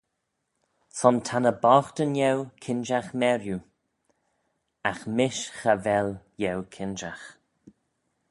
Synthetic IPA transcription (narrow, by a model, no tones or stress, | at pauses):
sɔntʰanəbɔxtənjɛwkʰɪnd͡ʒaxmɛɾju | axmɪʃxavɛljɛwkʰɪnd͡ʒax